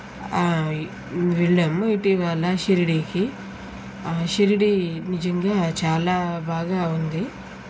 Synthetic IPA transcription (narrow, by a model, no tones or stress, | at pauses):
aː | ʋɛɭːɐmiʈiʋɐlːɐʃeɾiɽiki | aʃeɾiɽinid͡ʒɐŋɡaːt͡ʃaːlaːbʱaːɡaːund̪i